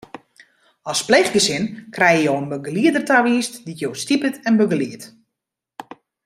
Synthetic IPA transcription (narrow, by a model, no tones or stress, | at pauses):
ɔspleχɡəsɪnkrɛjəjowənbəɡəliədərtaʋiːstditjoːstipətɛnbəɡəliət